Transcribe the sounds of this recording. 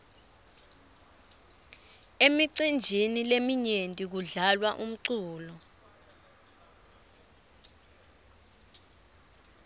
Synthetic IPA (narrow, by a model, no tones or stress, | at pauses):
emiǀind͡ʒʱinilemiɲentʼik̬uɮalwaʔum̩ǀuːlɔ